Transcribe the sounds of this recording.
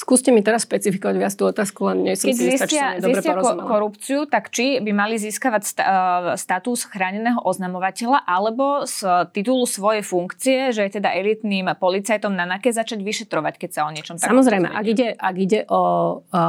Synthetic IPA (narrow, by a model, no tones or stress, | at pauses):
skuːscɛmit̪ɛɾasʃpɛt͡sifikɔʋaɟʋɪat͡st̪uɔt̪aːskulɛnɲɛsɔɛzisat͡ʃɪaɛd̪ɔiːsbɾɛɪaɔɾɔmɛlkɔɾupt͡siut̪akt͡ʃibimaliziːskaʋacsst̪at̪usxɾaːɲɛnɛːɦɔʔɔznamɔʋacɛʎaʔalɛbɔst̪it̪ulusʋɔjɛjfuŋkt͡siɛʒɛjɛt̪ɛd̪aʔɛlit̪niːmpɔlit͡sajt̪ɔmnanakɛzat͡ʃaɟʋiʃɛt̪ɾɔʋackɛcsaɔɲɪɛt͡ʃɔmt̪asamɔzɾɛjmɛ̰ʔʔa̰ɡiɟɛʔaɡiɟɛʔɔ